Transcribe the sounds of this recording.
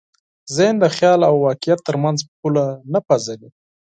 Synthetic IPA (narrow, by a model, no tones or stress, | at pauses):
zend̪əxjɑlawːɑkɪjat̪ːəɾmanzpulanapazali